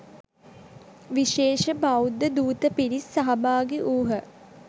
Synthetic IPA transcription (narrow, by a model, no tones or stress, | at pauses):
ʋiʃeːʃəbawd̪əd̪uːt̪əpiɾisːɐɦɐbaːɡeʔuːɦə